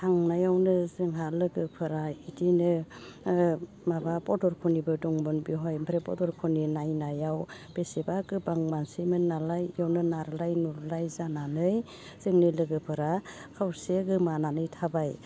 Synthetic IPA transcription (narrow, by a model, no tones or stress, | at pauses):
tʰaŋnajawnɯzɯŋɦalɯɡɯpʰɯɾaitinɯ | mabapɔdɔɾkʰunibɯdɔŋbɔnbiɦɔjmpʰɾepɔdɔɾkʰuninajnajawb̥esebaɡɯbaŋmansimɯnnːalajjawnɯnaɾlajnuɾlajzananɯj | z̥ɯŋnɯlɯɡɯpʰɯɾakʰawseɡɯmananɯjtʰabaj